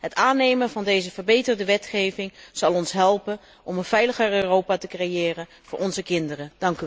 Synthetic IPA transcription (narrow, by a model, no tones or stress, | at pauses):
ɦətaːnejmənvɑndejzəvəɹbejtərdəʋɛtχejvɪŋz̥ɑlˠɔnsɦɛlˠpən | ʔɔmənv̥ɛjləχəɹørowpatəkrejɪːrən | v̥ʊːɹɔnzəkɪndərəd̥ɑŋky